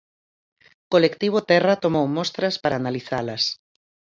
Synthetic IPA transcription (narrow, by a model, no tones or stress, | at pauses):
kolekt̪iβ̞ot̪ɛrɐt̪omowmɔst̪ɾɐspaɾaːnaliθalɐs